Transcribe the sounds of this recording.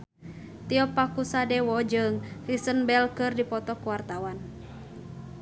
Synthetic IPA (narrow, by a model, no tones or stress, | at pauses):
t̪iɔpakusadɛwɔd͡ʒɨŋrisənbɛlkɨrdipɔt̪ɔkuwart̪awan